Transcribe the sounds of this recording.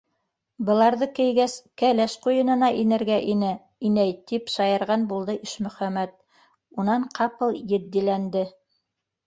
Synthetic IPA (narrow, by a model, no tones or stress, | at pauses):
bɤ̆lˠɑɾðɤkɘ̆jɡæskælæʃqujɤ̆nɤ̆nɑʔinɘ̆ɾɡæʔinɘ | inæjt̪ipʃɑjɤ̆ɾʁɑnbulˠd̪ɤʔiʃmɵ̆χæmæt̪̚ | unɑɴqʰɑpɤlˠjɘ̆d̪ːilænd̪ɘ